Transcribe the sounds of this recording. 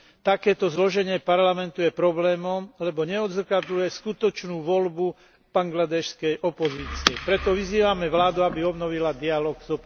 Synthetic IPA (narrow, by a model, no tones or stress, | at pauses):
t̪akɛːt̪ɔzlɔʒɛɲɪɛpaɾlamɛnt̪ujɛpɾɔblɛːmɔmlɛbɔɲɛɔd̪zrkad̪lujɛskut̪ɔt͡ʃnuːʋɔlbu | b̥aŋɡlad̪ɛʃskɛjʔɔpɔziːt͡siɛpɾɛt̪ɔʋiziːʋamɛʋlaːd̪uabiɔbnɔʋilad̪ialɔɡzɔp